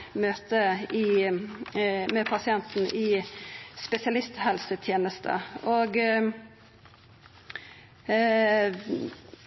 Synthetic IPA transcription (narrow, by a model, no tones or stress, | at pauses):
møːt̪əiː | mɛpʰɑsɪɛnt̪n̩ʔiːspɛsɪɑlɪst̪hɛlsət̪ʰjeːnəst̪ʰə̰ʔoːɡ